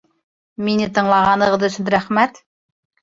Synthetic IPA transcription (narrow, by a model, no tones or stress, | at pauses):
minɪt̪ʰəɴlˠɑʁɑnəʁəzɵsɪnɾæχmæt̪